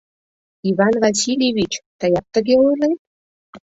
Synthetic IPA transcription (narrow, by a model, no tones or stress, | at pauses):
iβɑnvɑsilʲjeβʲit͡ɕt̪ɑjɑp̚t̪ə̆ɣeojle